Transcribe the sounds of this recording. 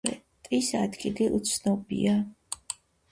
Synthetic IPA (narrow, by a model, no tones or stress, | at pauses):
ɛ̰t̪ʼisat̪ʰkʰʼidiʔut̪sʰnɔbḭa